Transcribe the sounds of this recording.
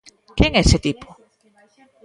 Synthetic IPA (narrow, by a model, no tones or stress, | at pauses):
keŋɛset̪ipʰʊ̥